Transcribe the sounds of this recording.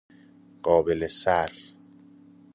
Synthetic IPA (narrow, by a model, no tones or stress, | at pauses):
ɢ̥ɒːbelesæɾf